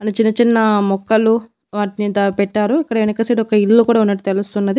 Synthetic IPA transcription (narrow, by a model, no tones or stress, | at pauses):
ɐnit͡ʃinːɐt͡ʃinːɐmɔkːɐlu | ʋaːʈinit̪ɐpɛʈːaːɾuikːɐɽɐenukɐseːʈiɔkɐilːukuːɽaːunːɐʈːut̪elust̪unːɐd̪i